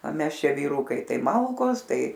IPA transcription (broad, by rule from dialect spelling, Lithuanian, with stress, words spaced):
oː ˈmʲɛs ˈʃʲɛ ʋʲiːˈruːkɐɪ ˈtɐɪ ˈmɐlˠkoːs ˈtɐɪ